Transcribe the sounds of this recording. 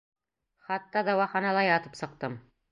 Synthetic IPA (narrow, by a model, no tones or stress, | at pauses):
χɑt̪ːɑd̪ɑwɑχɑnɑlˠɑjɑt̪ɤ̥psɤ̆q̚t̪ɤm